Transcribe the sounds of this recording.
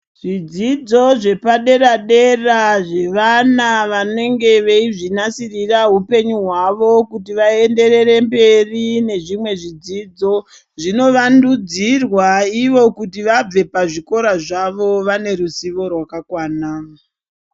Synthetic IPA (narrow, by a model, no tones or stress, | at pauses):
ʐ̥id͡zid͡zo̞ʐe̞paɗe̞ɾaɗe̞raʐe̞ʋanaʋane̞ŋɡe̞ʋeiʐinasiriraɦupe̞ɲuɦwaʋo̞kutiʋae̞nde̞re̞ɾe̞mbe̞rine̞ʐimwe̞ʐid͡ziːd͡zo̞ | ʐino̞ʋandud͡zirwaiʋo̞kutiʋab͡ve̞paʐiko̞ɾaʐaʋo̞ʋane̞ɾusiʋo̞rwakakwaːna